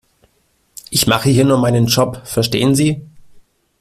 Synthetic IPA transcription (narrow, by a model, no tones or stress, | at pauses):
ʔɪçmaχəhiːɐnuːɐmaɪnənʃɔpfɛɐʃtḛːənziː